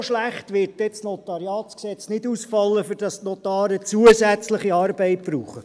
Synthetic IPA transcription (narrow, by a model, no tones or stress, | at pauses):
ʃlæχtʋɪɾt̚dɛsnotɑɾiɑːtsksɛt͡snɪdusfɑlːəfyɾd̥ɑstnotɑːɾət͡suəsæt͡sləχiɑːɾbɛɪt̚b̥ɾuːχə